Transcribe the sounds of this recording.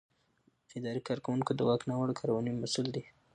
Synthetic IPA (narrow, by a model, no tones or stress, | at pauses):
ɪd̪ɑɾikɑɾkawuŋkod̪əwɑknɑwaɽokʰɑɾwɑnijmasuld̪i